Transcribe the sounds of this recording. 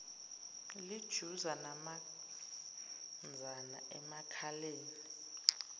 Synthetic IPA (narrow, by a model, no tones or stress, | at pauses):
lid̥ʒ̥ʱuzanama | nd͡zʱana̰ʔɛmakʰaleːni